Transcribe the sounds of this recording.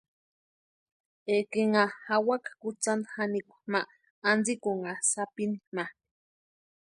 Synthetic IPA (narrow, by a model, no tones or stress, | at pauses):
ekiŋahawakakut͡sand̪hanikʷḁmaʔː | nd͡zikuŋasapinima